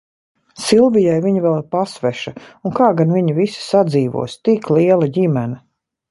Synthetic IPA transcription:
silˠvijajviɲivɛlˠpasvɛʃaunkaːɡanviɲivisi̥sad̪ziːvṵɔst̪ikliɛlˠaɟimɛnɐ

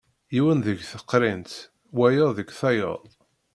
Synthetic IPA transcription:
jiwənðəʝθəqːɾint̪ | wæjəðəɡθæjə̰ðˤ

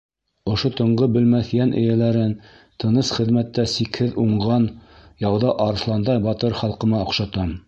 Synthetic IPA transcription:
ŏʃot̪ɤ̆ɴɢɤbɘ̆lmæθjænʔɘ̰̆jælæɾɘn | t̪ʰɤ̆nɤsχɘ̆ðmæt̪ːæsikhɘðuɴʁɑnjɑwðɑʔɑɾɤ̆slˠɑnd̪ɑjbɑt̪ɤɾχɑlˠqɤ̆mɑŏqʃɑt̪ɑm

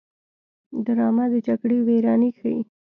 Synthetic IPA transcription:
d̪aɾɑmad̪ət͡ʃakɽeweɾɑnixaḭ

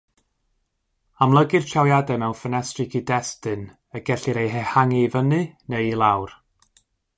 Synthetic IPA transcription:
amlˠəɡɨrt͡ʃʰawjadɛmɛwnfənɛstrɨkʰidɛstɨn | əɡɛɬɨɾejɦɛhaŋivənɨnejlˠawr

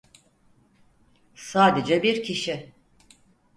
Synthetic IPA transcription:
saːd̪ed͡ʒɛbiɾcʰiʃi

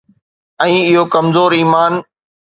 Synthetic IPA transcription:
ɛ̃ːɪɦokɐmzoːɾiːmaːn

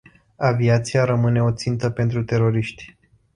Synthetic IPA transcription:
aviat̪siaɾəmɨne̞o̞t̪sint̪əpe̞nt̪ɾut̪e̞ɾo̞ɾiʃt̪ʲ

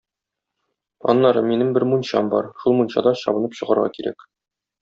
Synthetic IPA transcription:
ɒ̰nːɑɾɤminɘmbɘɾmunɕɑmbɒɾʃulˠmunɕɑ̰d̪ɑɕɒ̰bɤ̆nɤpɕɤ̆ʁɑɾʁɑ̰kiɾæ̰k

